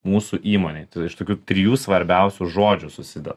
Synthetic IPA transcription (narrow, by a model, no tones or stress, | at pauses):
muːsuʔiːmoːnʲet̪ɪʃt̪oːkʲuːt̪ʲɾʲɪjuːsʋɐɾʲbʲɛʊsʲuʒoːd͡ʒʲʊsʊsʲɪd̪ʲɛ̰ɾ